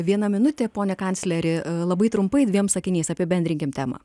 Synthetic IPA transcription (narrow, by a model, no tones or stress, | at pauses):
ʋʲiɛnɐmʲɪnʊt̪ʲeːpoːnʲɛkɐnʲt̪sʲlʲɛɾʲɪlˠɐbɐɪt̪ɾʊmpɐɪd̪ʲʋʲiɛmsɐkʲɪnʲiːsɑːpʲɪbʲɛnʲd̪ɾʲɪŋʲkʲɪmt̪ʲæːmɐ̰ː